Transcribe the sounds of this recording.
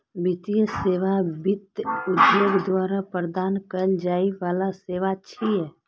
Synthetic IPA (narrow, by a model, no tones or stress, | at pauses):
bit̪ijəseːʋabɪt̪ʊd̪joːɡd̪waːɾapɾəd̪aːnkəld͡ʒaːiʋaːlaseːʋat͡ʃʰiɦɛː